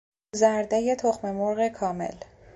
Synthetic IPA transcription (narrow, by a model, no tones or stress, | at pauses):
zæɾd̪ejet̪ʰoxme̞moɾɣekʰɒːme̞̰l